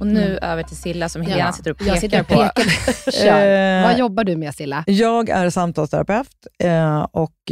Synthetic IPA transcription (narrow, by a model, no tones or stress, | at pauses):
ɔnʉ̟ːʔøːvəʈʰɪlsɪlːasɔmheːlasɪt̪ːəɾɔpʰːeːɾpka | vajɔbːaɖɵmɛsɪlːajɑːɡæ̰ɾsamt̪ʰɑːlst̪ʰɛɾa̰pʰɛft̪ | ɔk